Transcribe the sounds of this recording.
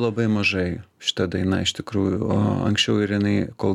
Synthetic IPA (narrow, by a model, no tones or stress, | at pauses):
lˠɐbɐɪmɐʒɐɪʃʲɪ̥t̪ɐd̪ɐɪnɐɪʃt̪ʲɪkɾuːjʊo̰ɐ̰ŋksʲt͡ʃʲɛʊɪɾjɪnɐɪkoːlˠ